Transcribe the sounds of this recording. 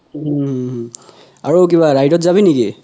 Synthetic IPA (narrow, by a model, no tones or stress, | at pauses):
aɹok̬iβaɹajdɔtzabiniki